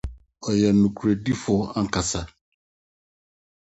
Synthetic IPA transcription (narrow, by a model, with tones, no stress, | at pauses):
ɔ˨jɛ˨nũ˨kʰu˨ɾe˨di˦fʊ˦a˦ŋ̩˨ka˨sa˦